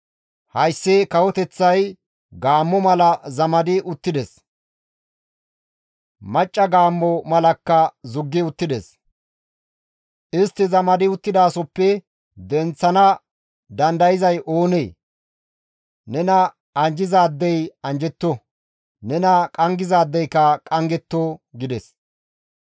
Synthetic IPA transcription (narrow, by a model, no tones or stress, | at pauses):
hɐjsːekɐwɔt̪ɛt͡sːɐj | ɡaːmːɔmɐlɐzɐmɐd̪ɪʔʊt̪ːɪd̪ɛs | mɐt͡ʃʼːɐɡaːmːɔmɐlɐkːɐzʊɡːɪʊt̪ːɪd̪ɛs | ʔɪst̪ːɪzɐmɐd̪ɪʊt̪ːɪd̪aːsɔpːɛ | d̪ɛnt͡sːɐnɐ | d̪ɐnd̪ɐjɪzɐjʔoːnej | nɛnɐ | ɐnd͡ʒɪzaːd̪ːɛjɐnd͡ʒɛt̪ːɔ | nɛnɐkʼɐŋɡɪzaːd̪ːɛjkɐkʼɐŋɡɛt̪ːoɡɪd̪ɛs